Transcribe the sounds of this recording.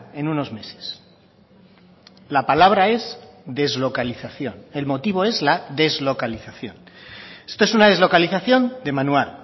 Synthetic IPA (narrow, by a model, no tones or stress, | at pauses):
e̞nũno̞zme̞se̞̥s | lapalaβ̞ɾae̞zðe̞zlo̞kaliθaθjo̞ne̞lmo̞t̪iβ̞o̞e̞zlaðe̞zlo̞kaliθaθjo̞̰ne̞st̪o̞esunað̞e̞zlo̞kaliθaθjo̞nd̪e̞manwal